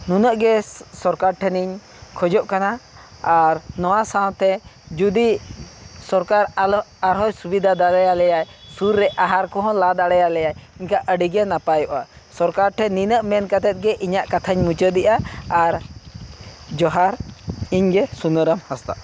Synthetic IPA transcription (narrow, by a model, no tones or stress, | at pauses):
nunəʔɡɛsɔɾkaɾʈʰɛniɲ | kʰɔd͡ʒɔʔkana | aɾnɔwasaw̃t̪ɛd͡ʒud̪i | sɔɾkaɾaɾɦɔjsubid̪ʱad̪aɽɛjalɛjajsuɾːɛʔaɦaɾkɔɦɔ̃lad̪aɽɛjalɛjajiɲkaʔəɖiɡɛnapajɔʔa | sɔɾkaɾʈʰɛninəʔmɛnkat̪ɛt̪̚ˀɡɛʔiɲaʔkat̪ʰaɲmut͡ʃəd̪iʔaːɾ | d͡ʒɔɦaɾiɲɡɛsunəɾəmhast̪a̰ʔ